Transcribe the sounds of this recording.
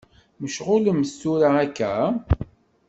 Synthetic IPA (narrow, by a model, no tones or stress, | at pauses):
məʃʁʊləməsuɾaækːæ